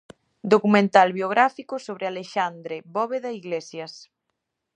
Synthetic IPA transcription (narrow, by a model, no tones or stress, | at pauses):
d̪okumẽnt̪alβjoɣ̞ɾafikʊsoβ̞ɾealeʃand̪ɾeβɔβeðaiɣlesjɐs